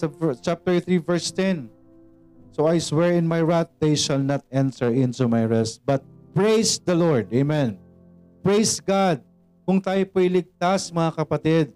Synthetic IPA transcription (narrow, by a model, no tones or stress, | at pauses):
sɐvt͡ʃap̚t̪ɛɹθɹivɛɹst̪ɛn | sowajswɛɹɪ̃nmajɹat̪̚d̪ejʃɐlnat̪ʔɛ̃nt̪ɛɹʔɪ̃nt̪umajɹɛst̪̚bɐt̪̚pɹejsd̪ɐloɹd̪ejmɛ̃n | pɹejsɡad̪̚ | kʊŋt̪aːjopoɪlɪɡ̚t̪asmɐŋakɐpɐt̪ɪd̪̚